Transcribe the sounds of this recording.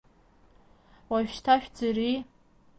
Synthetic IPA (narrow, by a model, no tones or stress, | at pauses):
waɥᶣʃtʰaʃᶣd͡zari